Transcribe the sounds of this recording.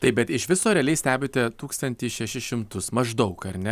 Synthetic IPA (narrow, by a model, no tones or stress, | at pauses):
t̪ɐɪbʲɛt̪ɪʃʋʲɪsoːɾʲɛːlʲɛɪsʲt̪ʲæːbʲɪːt̪ʲɛt̪uːkst̪ɐnʲt̪ʲɪːʃʲɛʃʲɪʃʲɪmt̪ʊsmɐʒd̪ɐʊkɐɾʲnʲɛ